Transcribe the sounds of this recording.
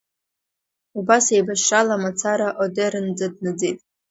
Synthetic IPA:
ubasejbaʃalamat͡sʰaɾaʔodeɾɨnd͡zadnɨd͡zejtʼ

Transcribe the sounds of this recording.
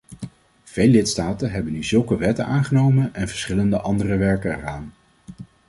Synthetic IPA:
v̥ejlːɪtstaːtənɦɛbənyzɵlˠkəʋɛtənʔaːnχənowmənɛnvəɹsχɪləndəʔɑndərəʋɛɹkəɛraːn

